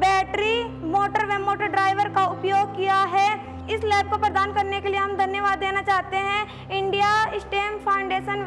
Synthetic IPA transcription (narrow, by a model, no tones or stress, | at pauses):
bɛːʈɾi | moːʈəɾʋɛmːoːʈəɾɖɾaːɪʋəɾkaʊpjoːɡ̚kijaɦɛː | ɪslɛːp̚kopɾɐd̪aːnkɐɾnekelieɦɐ̃md̪ʱɐnjəʋaːd̪ːeːnat͡ʃaːɦt̪eɦɛ̃ | ɪ̃ɳɖijaɪsʈeːmpʰaːʊ̃ɳɖeːʃən